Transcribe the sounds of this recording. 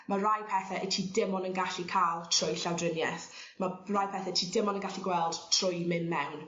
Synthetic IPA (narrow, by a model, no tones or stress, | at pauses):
marajpʰɛθɛʔətʰiːdɪmɔnənɡaɬikʰaːlˠtʰrʊjɬawdrɪnjɛθ | marajpʰɛːθɛtʰiːdɪmɔnənɡaɬiɡwɛlˠd̥tʰr̥ʊjmɪnmɛwn